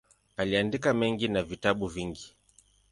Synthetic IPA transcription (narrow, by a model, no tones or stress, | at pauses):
aliandikamɛŋɡinavitaɓuviŋɡi